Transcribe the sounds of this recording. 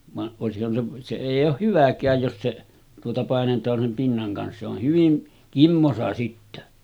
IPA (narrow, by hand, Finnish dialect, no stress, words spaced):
ʋɑʔ ʔoˑesihːɑn se se eˑijˑ oːh hyʋækˑæːj jos se tuotɑ pɑˑenetˑɑːn sem pinːɑŋ kɑns se oh hyʋin kimːosɑ sitːæ